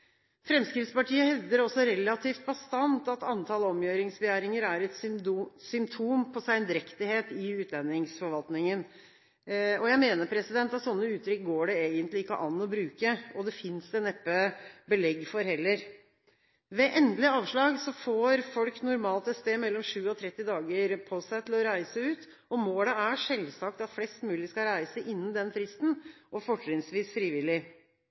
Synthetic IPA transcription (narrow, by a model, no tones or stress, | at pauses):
fɾɛmskɾɪːt̪spɑʈʰiːəhɛʋd̪əɾɔsːɔɾɛlːɑt̪ʰiːft̪̚bɑst̪ɑnt̪ɑt̪ɑnt̪ʰɑːləɔmjøːɾɪŋsbɛjæːɾɪŋəɾæɾɛt̪ssʏmt̪ʰuːmpʰɔsæɪnd̪ɪɾɛkt̪ɪheːt̪ɪʉːt̪ʰlɛnːɪŋsfɔɾʋɑlt̪nɪŋən | ɔjæɪmeːnəɾpʰɾɛsɪd̪ɛnt̪ɑt̪sɔnːəʉːt̪ɾʏkɡoːɖɛeːɡənt̪lɪɪkːə̰ʔɑnːɔbɾʉːkəɔd̪ɛfɪnsɛnɛpːəbəlɛɡːfɔɾhɛlːəɾ | ʋɛʔɛnd̪lɪɑːʋʂɭɑːɡsɔfoːɾfɔlknʊɾmɑːlt̪ɛt̪st̪eːmɛlːɔmʂʉːɔt̪ʰɾɛt̪ːɪd̪ɑːɡəɾpʰɔsæɪt̪ʰɪlɔɾæɪsəʉːt̪ | ɔmoːləæʂɛlsɑkt̪ɑt̪flɛst̪mʉːlɪskɑɾæɪsəʔɪnːənd̪ɛnfɾɪst̪n̩ʔɔfɔʈɾɪŋsʋiːsfɾiːʋɪlɪ